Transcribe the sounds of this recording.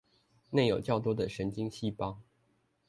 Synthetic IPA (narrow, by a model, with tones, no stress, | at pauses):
ne˥˩ɪjo˨˩ʊt͡ɕjɑ˥˩ʊt̪̬wɔ˥d̪ə˨ʂə˧˥nt͡ɕi˥ŋɕi˥pɑ˥ŋ